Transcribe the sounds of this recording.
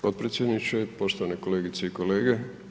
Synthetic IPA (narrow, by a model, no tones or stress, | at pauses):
po̞t̪pɾet̪sjed̪nit͡ʃepo̞ʃt̪oʋaneko̞leːɡit̪seiko̞le̞ːɡe